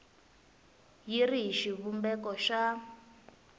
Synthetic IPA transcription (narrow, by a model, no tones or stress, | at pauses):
jiriɦiʃiβumbɛkɔʃa